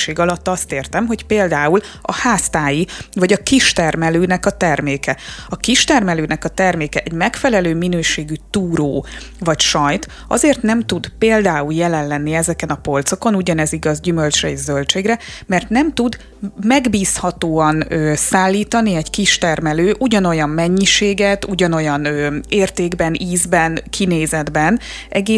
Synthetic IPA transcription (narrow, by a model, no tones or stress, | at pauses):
ʃeːɡɒlɒt̪ːɒst̪eːrt̪ɛmɦo̞cpeːld̪aːul | ɒ̰haːst̪aːjivɒɟɒkiʃt̪ɛrmɛløːnɛkɒt̪ɛrmeːkɛɒkiʃt̪ɛrmɛløːnɛkɒt̪ɛrmeːkɛʔɛɟmɛkfɛlɛløːminøːʃeːɡyt̪uːɾoː | vɒcʃɒjt̪ | ɒ̰zeːrt̪nɛmt̪ud̪peːld̪aːuljɛlɛnlɛnːiɛzɛkɛnɒpo̞lt̪so̞ko̞nuɟɒnɛziɡɒzɟymølt͡ʃrɛɛʒzølt͡ʃeːɡrɛmɛrt̪nɛmt̪ud̪ | mɛɡbiːshɒt̪oːɒnøːsaːlːiːt̪ɒniɛɟkiʃt̪ɛrmɛløːʔuɟɒno̞jɒmːɛɲːiʃeːɡɛt̪uɟɒno̞jɒnøːeːrt̪eːɡbɛnʔiːzbɛnkʰineːzɛd̪bɛn | ʔɛɡeː